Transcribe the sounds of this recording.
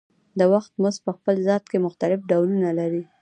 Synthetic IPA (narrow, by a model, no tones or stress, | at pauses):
d̪əwaxt̪mʊspəxpəlzɑt̪̚kemʊxt̪alɪfɖawlunalaɾi